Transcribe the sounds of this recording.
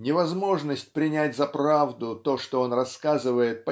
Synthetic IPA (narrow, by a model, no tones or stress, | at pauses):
nʲɪvɐzmo̞ʐnəsʲtʲpɾʲɪnʲætʲzɐpɾavd̪ʊt̪o̞ʂt̪oo̞nrɐskazɨvəjɪt̪̚pɐ